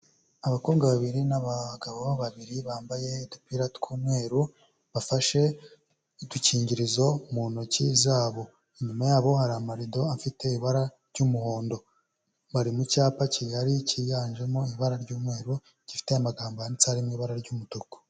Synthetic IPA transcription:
aβako̞ːβɡaβaβiɾinaβaɡaβoβaβaβiɾiβaːmbaje̞idupiɾatkʰuːmŋwe̞ːɾu | βafaʃe̞ | iduciːɲɟiɾizo̞muːnocizaːβo̞ | iɲumajaːβo̞haɾaːmaɾido̞afite̞iβaɾaɾɟuːmuho̞ːndo̞ | βaɾimucaːpacijaɾicijaːnʒe̞moiβaɾaɾɟuːmŋe̞ːɾu | ɟ̥ifi̥teamaɡaːmbojanit͡saaɾimiβaɾaɾɟumutuko̥

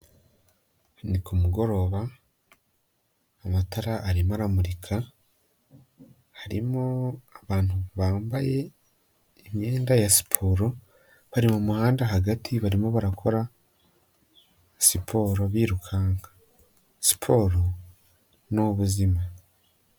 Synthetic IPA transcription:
nikumuɡo̞ɾo̞βa | mataɾaʔːɾimaɾamuɾikʰa | haɾimoaβaːnuβaːmbaje̞ː | mje̞ːndajasi̥pʰo̞ɾo̞ | βaɾimomuhaːndaɦaɡatʰiβaɾimoβaɾakʰo̞ɾa | sipʰo̞ːɾo̞βiːɾukʰaːŋɡa | si̥pʰo̞ːɾo̞ | noβuzima

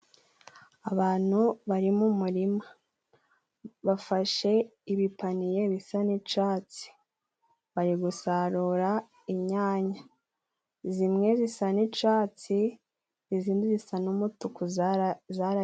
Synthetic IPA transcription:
aβaːn̥huβaɾimumuɾima | βafaʃe̞iβipanije̞βisanit͡ʃaːt͡si̥ | βaɾiɡusaɾuɾa | iɲaːɲa | zimŋe̞zisanit͡ʃaːt͡si | ziziːndizisanumutukuzaɾa

